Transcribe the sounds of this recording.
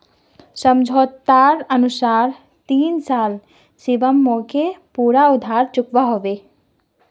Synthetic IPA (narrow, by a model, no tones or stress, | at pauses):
səmd͡ʒʱot̪ːaɾənusaɾ | t̪insal | sibəmːokepuɾaud̪ʱːaɾt͡ʃukbaɦɔbe